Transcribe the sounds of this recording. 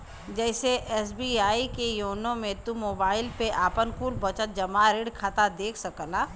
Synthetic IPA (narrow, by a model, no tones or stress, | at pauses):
d͡ʒɛːseʔɛːsbiːaːikejoːnõmẽt̪umoːbaːɪlpeʔaːpənkuːlbɐt͡ʃət̪̚d͡ʒɐmaɾɪɽkʰaːt̪ad̪eːkʰsɐkəlaː